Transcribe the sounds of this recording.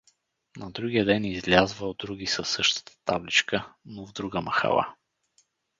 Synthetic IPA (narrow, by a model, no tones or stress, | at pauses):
nɐd̪ɾuɡijəd̪ɛnizlʲazvəd̪ɾuɡʲisəsːɤʃt̪ə̥t̪ə̥t̪a̰blit͡ʃkənovd̪ɾuɡəmɐxa̰lˠa̰